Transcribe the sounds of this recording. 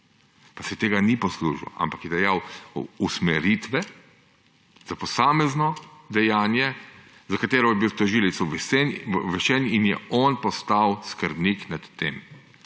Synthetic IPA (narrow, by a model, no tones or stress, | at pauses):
pasɛt̪eːɡanipɔslṵːʒḭwa̰mpakjɛd̪ɛjawusmɛɾit̪ʋɛ | z̥apɔsaːmɛznɔd̪ɛjaːnjɛ | zakat̪eːɾɔjɛbiwt̪ɔʒilit̪suʋɛsɛnʋɛʃɛninjɛɔːnpɔst̪awskəɾbniknat̪ːḛm